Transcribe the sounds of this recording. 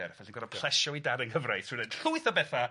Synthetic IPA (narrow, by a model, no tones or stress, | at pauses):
ɛrfɛɬinɡɔɾɔpʰl̥ˠɛʃɔidaɾənɡəvrajθɨned̥ɬʊɨθɔbɛθa